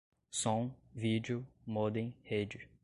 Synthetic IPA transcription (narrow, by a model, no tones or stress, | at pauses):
sɔ̃ŋvid͡ʒiʊmod̪ẽj̃hed͡ʒɪ